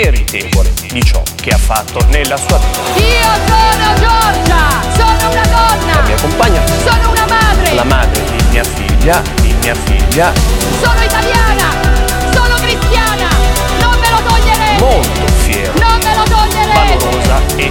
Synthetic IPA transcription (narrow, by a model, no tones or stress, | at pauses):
eɾit̪ɛːvoɾḛd̪it͡ʃɔ̰k̟eafːat̪ːonelːasuːavit̪aiːosonod͡ʒɔrd͡ʒasoːnounad̪ɔnːaamiːakompaɲːasoːnounamaːd̪ɾelamad̪ɾed̪imiːafiʎːa | d̪imiːafiʎːa | soːnoit̪aljaːna | soːnokɾist̪jaːna | nonmelot̪oʎːeɾemolt̪ofjɛːɾnomːelot̪oʎːeɾaɾoːzae